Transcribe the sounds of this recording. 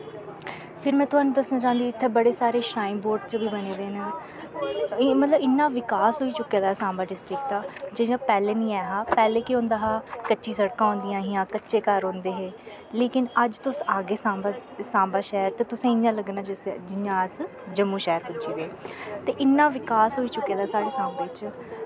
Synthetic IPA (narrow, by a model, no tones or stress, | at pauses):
pʰɪɾmɛ̃ːt̪ʊɦaːnũːd̪əsnãːt͡ʃãːənd̪iːɪt̪ʰːeːbəɽeːsaːɾeːʃɾaːimboːɾɖt͡ʃbiːbəneːd̪eːnə | mət̪ləbɪnːãːʋɪkaːsɦoːiːt͡ʃʊkːaːd̪aːsãːmbaːɖɪsʈɾɪk̚t̪aːd͡ʒɪjãːpɛːleːnĩːɛːɦaːpɛːleːkɪɦõːnd̪aːɦaːkətːʃiːsəɽkãːõːnd̪ɪjãːɦijãːkətːʃeːkəɾɦõːnd̪eːɦeː | leːkɪnəd͡ʒt̪ʊsaːɡeːsaːmsãːmbaːʃɛːɾt̪eːt̪ʊsẽːɪɲãːləɡnaːd͡ʒɪsd͡ʒɪɲãːs | d͡ʒəmːũːʃɛːɾpʊd͡ʒiːd̪eːt̪eːʔɪnːãːʋɪkaːsɦoːiːt͡ʃʊkːeːd̪aːsaːɽeːsãːmbeːt͡ʃ